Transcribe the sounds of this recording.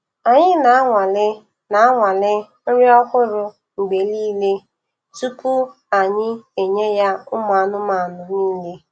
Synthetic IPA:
a˨ɲɪ˦na˨a˦ŋʷa˨lɪ˦ | na˨a˦ŋʷa˨lɪ˦ | n̩˦ɾɪ˦ɔ˦kʊ˦ɾʊ˨ | ŋ͡m̩˨ɡ͡be˨liː˦le˦ | tu˦pu˦ | a˨ɲɪ˦e˨ɲe˦ja˦ʊ˦m˨a˨˦nʊ˦ma˨nʊ˨niː˦le˦

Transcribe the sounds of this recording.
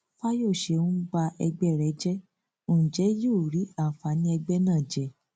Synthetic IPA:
fa˦jo˦˨ʃe˧˨ũ˦ɡ͡ba˧ɛ˧ɡ͡bɛ˦˨ɾɛ˨˦d͡ʒɛ˦ | õ˨d͡ʒɛ˨˦jo˦˨ɾi˨˦a˦˨fa˨˦nĩ˧˦ɛ˧ɡ͡bɛ˦nãː˦˨d͡ʒɛ˨

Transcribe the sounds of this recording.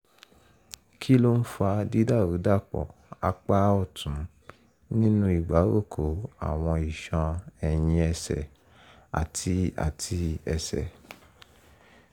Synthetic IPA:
kʰi˦lo˦n̩˦fa˧di˦da˦˨ɾu˨˦da˦˨k͡pɔ̰˨ | a˧k͡pa˦ɔ˦˨tʰũ˨˦ | nĩ˦nũ˦i˦˨ɡ͡ba˨˦ɾo˦˨kʰo˨˦a̰˨w̃ɔ̃˧i˨ʃã˧ɛ˨j̃ĩ˧ɛ˧sɛ̰˨ | a̰˨tʰi˧a̰˨tʰi˧ɛ˧sɛ̰˨

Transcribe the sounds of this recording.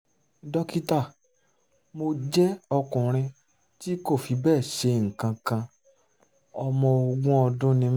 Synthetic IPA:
dɔ˧ki˦ta˦˨ | mo˧d͡ʒɛ˦ɔ˧kũ˨ɾ̃ĩ˧ | ti˦ko˦˨fi˨˧bɛː˦˨ʃe˧ŋ̩˨kã˧kã˧ | ɔ˧mɔ̃˧o˧ɡũ˦ɔ˧dũ˦nĩ˧m˦

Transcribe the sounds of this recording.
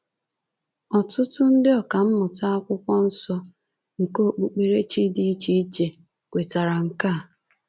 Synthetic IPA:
ɔ˨tʊ˦tʊ˦n̩˦dɪ˦ɔ˨ka˨m̩˦mʊ˨ta˦a˦kʷʊ˦kʷɔ˦n̩˦sɔ˦ | ŋ̩˨ko˦k͡pu˨k͡pe˨ɾe˦t͡ʃi˦di˦i˦t͡ʃi˦t͡ʃe˨ | kʷe˨ta˨ɾa˨ŋ̩˨ka˦˨

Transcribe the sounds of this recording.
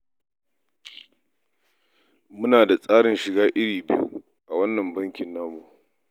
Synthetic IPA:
mʊ˦naː˨da˨sʼaː˦ɽɪ˨nʃɪ˨ɡaː˦ʔɪ˦ɽiː˨bɪ˦jṵ˦ | ʔa˨wɐ˦nːɐ˨mbɐ˦ŋkʲɪ˨nːaː˦boː˦˨

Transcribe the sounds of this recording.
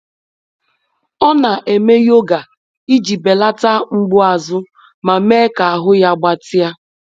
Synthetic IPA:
ɔ˦na˨ʔe˨me˦jo˦ɡa˨ | i˦d͡ʒi˨be˨la˦ta˦ŋ͡m̩˦ɡ͡bʊ˦a˨zʊ˦ | ma˨me˦ka˨a˨ɦʊ˦ja˦ɡ͡ba˦tɪ˦a˦

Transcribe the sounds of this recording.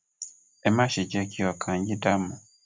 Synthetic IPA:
e˦ma˦ʃi˨ɟe˦ki˦wa˨kʰa˨ɲɟi˦da˦mːu˨

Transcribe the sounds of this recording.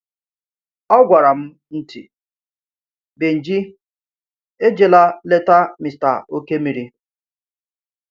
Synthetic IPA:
ɔ˦ɡʷa˨ɾa˨m̩˦ | n̩˦tḭ˨ | be˨n̩˨d͡ʒi˦ | e˦d͡ʒe˨la˦le˦ta˦mi˨sta̰˨o˦ke˦mi˨ɾi˦

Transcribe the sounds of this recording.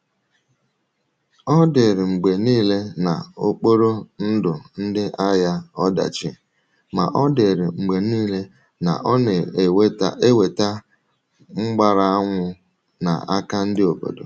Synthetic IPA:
ɔ˦de˨ɾɪ˨ŋ͡m̩˨ɡ͡be˨niː˦le˦na̰˨o˦k͡po˦ɾo˦n̩˦dʊ˨n̩˦dɪ˦ʔa˦ja˦ɔ˦da̰˨t͡ʃɪ̰˦ | ma̰˨ʔɔ˦de˨ɾɪ̰˨ŋ͡m̩˨ɡ͡be˨niː˦le˦ | na̰˨ʔɔ˦ne˨we˦ta˦e˦we˨ta˦ | ŋ͡m̩˦ɡ͡ba˨ɾa˨a˦ŋʷʊ˦ | na̰˨a˦ka˦n̩˦dɪ˦o˨bo̰˨do̰˨

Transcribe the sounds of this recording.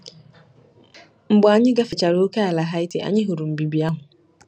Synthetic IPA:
m̩˨bʊ˨a˨ɲɪ̃˦ɡa˦fɪ˨t͡ɕa˨ɾɪ˦o˦kʰa˦a˨la˨ɦa˦jtʰɪ˦ʔa̰˨ɲɪ̃˦ɦʊ˨ɾu˨m̩˨bi˨bi˨a˦ɦʊ̃˨

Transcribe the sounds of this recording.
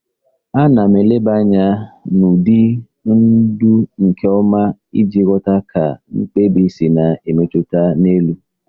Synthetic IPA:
a˦na˨me˨le˦ba˦ɲa˦nu˨di˦ | n̩˦du˦ŋ̩˨ke˦ɔ˦ma˦i˦d͡ʒi˦ɣɔ˦ta˦kʰa̰˨ŋ̩˦k͡pe˦bi˦si˨na˨e˨me˨tu˦ta˦ne˦lu˦

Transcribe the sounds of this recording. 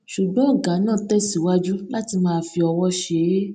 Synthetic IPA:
ʃu˨ɡ͡bɔ̃˨˦ɔ˦˨ɡa˨˦nãː˦˨tɛ˦˨si˨wa˦d͡ʒu˦la˦ti˧mãː˦˧fi˧ɔ˧wɔ˦ʃe˨˦

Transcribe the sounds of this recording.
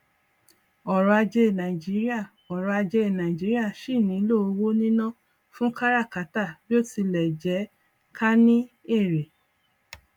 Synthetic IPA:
ɔ˨ɾɔ˧a˧d͡ʒɛ˧˨nã˨i˨d͡ʒi˨˦ɾi˦a˦˨ | ɔ˨ɾɔ˧a˧d͡ʒɛ˧e˨nã˨i˨d͡ʒi˨˦ɾi˦a˦˨ʃi˦˨nĩ˨˦lo˦o˧wo˦nĩ˦nã˦ | fũ˦ka˦ɾa˦˨ka˨˦ta˦˨bi˦o˦˨ti˧lɛ˨d͡ʒɛ˨˦ | ka˦nĩ˦e˦˨ɾe˨

